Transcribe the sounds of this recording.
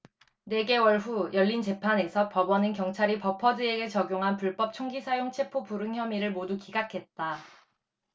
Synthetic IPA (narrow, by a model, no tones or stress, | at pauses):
ne̞ɡe̞wʌɭɸujʌʎːint͡ɕe̞pʰane̞sʰʌpʌbʌnɯnkjʌŋt͡ɕʰaɾipʌpʰʌdɯe̞ɡe̞t͡ɕʌɡjoŋɦanpuɭp͈ʌp̚t͡ɕʰoŋɡisʰajoŋt͡ɕʰe̞pʰopuɾɯŋçjʌmiɾɯɭmodukiɡakʰe̞t̚t͈a